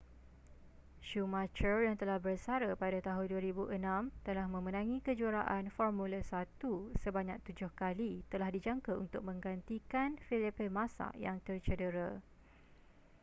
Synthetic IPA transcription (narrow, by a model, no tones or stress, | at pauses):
ʃumat͡ʃərjaŋt̪əlahbərsaɾəpadat̪aɦʊnduaɾibuʔənãmt̪əlahmə̃mə̃nãŋĩkəd͡ʒuaɾaʔanfɔrmũlasat̪usəbaɲak̚t̪ud͡ʒʊhkalit̪əlahdid͡ʒaŋkaṵnt̪ʊk̚mə̃ŋɡant̪ikanfilipemãsa̰ʔjaŋt̪ərt͡ʃədəɾa